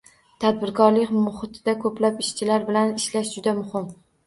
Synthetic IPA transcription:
t̪ʰad̪̚bɪɾkʰɒɾlɪkʲmʊχɪt̪ʰɪd̪akʰɵplapɪʃt͡ʃʰɪlaɾbɪlanɪʃlaʃd͡ʒʊd̪amʊhɪm

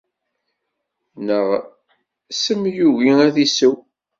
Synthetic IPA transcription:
nəʁ | səmjuʝiæðisuw

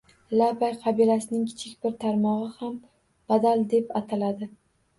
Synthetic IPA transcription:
lapajqʰɑbilasɪnɪŋkʲʰɪ̥t͡ʃʰɪkʲbɪɾt̪ʰaɾmɒʁɨham | b̥ad̪ald̪e̞pat̪ʰalad̪ɪ

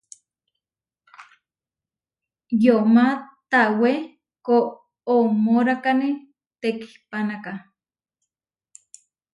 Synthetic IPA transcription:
jomat̪awe | koː | moɾakani | t̪eki̥hpanaka

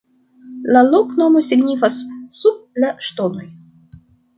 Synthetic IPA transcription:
lalo̞kno̞mosiɡnifasːub̚laʃto̞no̞j

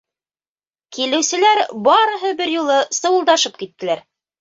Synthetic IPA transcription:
kilɘ̆wsɘ̆læɾbɑɾɤ̆ɦɤbɘɾjulˠɤsɤ̆wɤ̆lˠd̪ɑʃɤp̚kit̪ːɘ̆læɾ

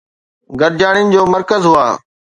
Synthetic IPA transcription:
ɡəɾd͡ʑaːɽ̃ɪnɪ̆d͡ʑoːməɾkəzɦʊa̰ː

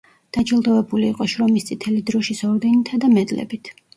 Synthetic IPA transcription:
d̪̥ad͡ʒilˠd̪ɔvɛbuliːqʼɔʃɾɔmist̪sʼit̪ʰɛlid̪ɾɔʃisɔɾd̪ɛnit̪ʰad̪amɛd̪lɛ̰bit̪ʰ

